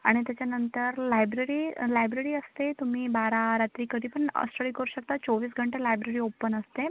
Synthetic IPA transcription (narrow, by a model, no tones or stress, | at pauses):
aɽ̃it̪jat͡ɕjanənt̪əɾlajbɾeɾiːlajbɾeɾiːəst̪et̪um̤iːbaɾaɾat̪ɾiːkəd̪ʱiːpəɳə̰sʈəɭiːkəɾuːɕək̚t̪at͡soʋiːsɡʱəɳʈelajbɾeɾiːopənəst̪e